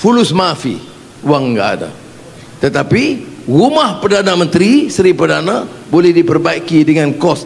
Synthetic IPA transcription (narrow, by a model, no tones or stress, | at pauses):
fulusmãfḭ | waŋɡa̰ʔa̰da̰ | t̪ət̪apirumahpərdanãmə̃nt̪ɾisəɾipərdanãbolɛhdipərbaikidəŋãnkɔs